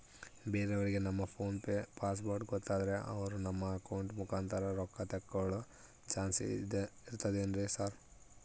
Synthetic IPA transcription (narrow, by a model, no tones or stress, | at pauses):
beːɾeɐʋɐɾiɡe̞nɐmːɐpʰoːnppaːs̬boːɾɖɡɔt̪ːaːd̪ɐɾe̞ʔɐ̰ʋɐɾunɐmːɐːkɐwɳʈmukʰaːnt̪ʰɐɾɐɾɔkːɐt̪ɐkːɐɭu | t͡ʃaːnsiɾt̪ɐd̪eɐnd̪ɾesaːɾ